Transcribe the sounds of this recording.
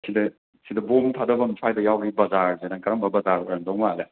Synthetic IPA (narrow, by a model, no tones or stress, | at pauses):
sidɐ | sidɐbomtʰadɐbɐmisʰajdɐjawɡibɐzaɾzenaŋkɐɾaŋmbɐbɐzaɾɔɾandɔŋmale